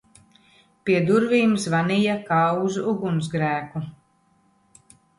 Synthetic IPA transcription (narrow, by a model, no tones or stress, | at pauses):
piɛd̪uɾviːmsvanijakawzuɡums̬ɡɾæːku